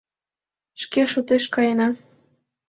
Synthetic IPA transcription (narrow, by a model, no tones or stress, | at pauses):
ʃkeʃot̪eʃkɑjenɑ